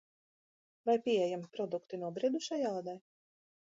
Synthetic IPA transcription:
vajpʲiɛjampɾɔd̪ukt̪inuɔbɾid̪uʃajaːd̪ɛj

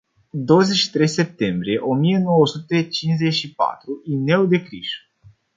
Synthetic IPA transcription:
d̪o̞wəzet͡ʃʃi̥t̪ɾe̞jse̞p̚t̪e̞mbɾie̞ʔo̞mije̞no̞wəsut̪e̞t͡ʃinzeʃipa̰t̪ɾuine̞wd̪e̞kɾiʃ

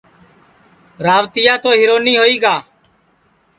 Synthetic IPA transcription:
ɾaːʋt̪ɪjaːt̪oːɦɪːɾoːniːɦoːiːɡaː

